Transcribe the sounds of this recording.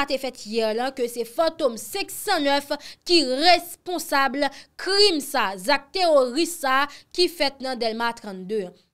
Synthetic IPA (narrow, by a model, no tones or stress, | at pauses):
at̪efɛt̪jɛʁlãkøsɛfãt̪omsɛ̃ksãnœfkiʁespɔ̃sablkʁimsazak̚t̪eʁoʁisakifɛt̪̚nɐ̃d̪ɛlmat̪ʁãt̪d̪ø̃